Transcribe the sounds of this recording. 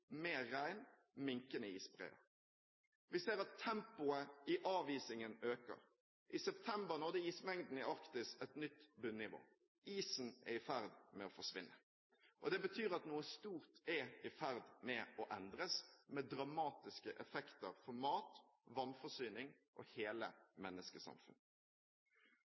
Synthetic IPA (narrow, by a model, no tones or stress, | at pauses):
meːæɪn | mɪŋkənəiːsbʁḛːə̰ɾ | ʋɪseːɾɑt̪ʰːɛmpʊəɪʔɑːʋiːsɪŋənøːkə̰ɾ | ʔɪsɛpt̪ʰɛmbəɾnɔʁd̪ɛiːsmɛŋd̪n̩ɪʔɑɾkt̪ɪsɛt̪nʏt̪ːbʉnːɪʋo̰ː | iːsn̩ʔɛ̰ɪfæɾd̪mɛɔfɔʂʋɪ̰nːə | ʔɔd̪ɛbət̪ʰyːɾɑt̪nuːəst̪uːʁt̪ɛɪfæɾd̪mɛɔʔɛnd̪ɾəsmɛd̪ɾɑmɑːt̪ɪskəʔɛfɛkt̪əɾfɔmɑːt̪ʋɑnfɔsyːnɪŋ | ʔɔ̰heːlə̰mɛnːəskəsɑ̰mfʉ̰n